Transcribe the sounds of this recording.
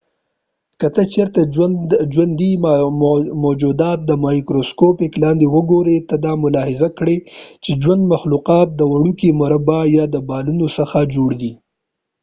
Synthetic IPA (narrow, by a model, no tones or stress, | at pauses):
kət̪ət͡ʃeɾt̪ad͡ʒwand̪i | mod͡ʒud̪ɑt̪̚d̪əmɑjkɾoskopɪklɑnd̪ewəɡoɾet̪əd̪ɑmʊlɑhɪzakɽet͡ʃed͡ʒwand̪maxluqɑt̪̚d̪əwaɽukimʊɾabajɑd̪əbɑlunosəxad͡ʒoɽd̪i